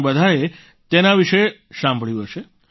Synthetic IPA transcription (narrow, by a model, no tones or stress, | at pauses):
bəd̪ʱaɾe | t̪enaʋiʃe | ʃãmbʱɭjũɦəʃe